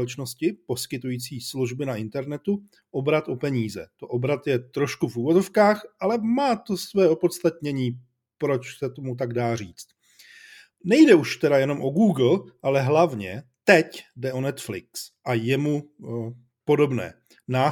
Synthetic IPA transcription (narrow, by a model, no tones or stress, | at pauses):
ɛt͡ʃno̞scɪpo̞skɪt̪ujiːt͡siːsluʒbɪnaʔɪnt̪ɛɾnɛt̪u | ʔo̞bɾat̪ʔo̞pɛɲiːzɛ̰t̪oʔobɾat̪jɛt̪ɾo̞ʃkufuːvo̞zo̞fkaːxʔalɛmaːt̪o̞svɛːo̞po̞t̪st̪at̪ɲɛɲiː | pɾo̞t͡ʃsɛt̪omut̪̬aɡdaːriːt͡st̪ | nɛjdɛuʃt̪ɛɾajɛno̞mʔo̞ɡuːɡl̩ʔalɛɦlavɲɛ̰t̪ɛcdɛʔo̞nɛt̪flɪ̰ksʔajɛmu | po̞do̞bnɛ̰ː | naː